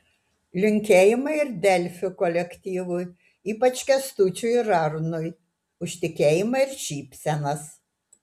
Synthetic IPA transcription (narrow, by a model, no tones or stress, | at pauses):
lʲʊŋʲkʲeːjɪmɐɪɪɾd̪ʲɛlʲfʲʊkɔlʲɛkʲt̪ʲiːʋʊj | iːpɐt͡ʃkʲɛst̪uːt͡ʃʲʊjɾɐɾnʊj | ʊʃʲt̪ʲɪkʲeːjɪmɐɪɾʃʲiːpʲsʲɛnɐs